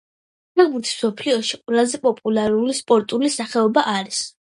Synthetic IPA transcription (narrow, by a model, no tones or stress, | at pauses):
ɛlbuɾt̪ʰi̥sm̥sɔpʰliɔʃiqʼɾazɛpʼɔpʼulˠaɾulispʼɔɾt̪ʼulisaχɛɔbaʔaɾis